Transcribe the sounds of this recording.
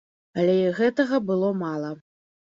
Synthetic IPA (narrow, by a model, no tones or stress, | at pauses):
ɐlʲɛiɣɛt̪ɐɣɐbɨlˠɔmalˠɐ